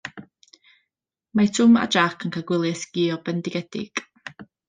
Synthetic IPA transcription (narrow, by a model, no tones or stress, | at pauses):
matʰʊma̰d͡ʒakʰənkʰaɡwɪlˠjɛθɡ̥iːɔbɛndɪɡɛd̥ɪ̰ɡ̥